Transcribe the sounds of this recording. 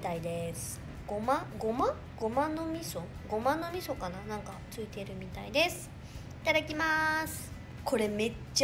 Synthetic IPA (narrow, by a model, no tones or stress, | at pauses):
t̪aid̪e̞sɨ̥ | ɡ̥omãɡo̞mã | ɡo̞mãnːo̞mʲiso̞ɡo̞mãnːo̞mʲiso̞kananãŋkat͡sɨit̪e̞ɾɯ̟mʲit̪aid̪e̞sɨ̥ | it̪ad̪akʲimasɨ̥ | kʰo̞ɾe̞me̞t͡ɕː